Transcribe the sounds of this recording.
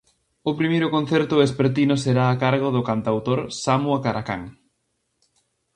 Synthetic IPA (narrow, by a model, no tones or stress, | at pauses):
ʊpɾimejɾʊkõn̟θɛɾt̪ʊespeɾt̪inʊseɾaːkaɾɣ̞oðʊkant̪awt̪oɾsamuakaɾaka̰ŋ